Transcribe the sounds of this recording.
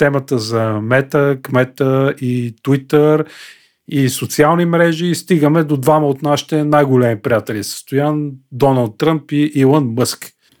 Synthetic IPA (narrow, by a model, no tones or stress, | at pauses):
t̪ɛmət̪əzɐmɛt̪əkmɛt̪əit̪wit̪əɾ | isot̪sialˠnimɾɛʒiːst̪iɡəmɛd̪od̪vaməot̪naʃi̥t̪ɛnajɡolɛmipɾijat̪ɛlʲisə̥st̪ojand̪ɔnəlˠt̪ːɾəmpiʔilˠənmɤsk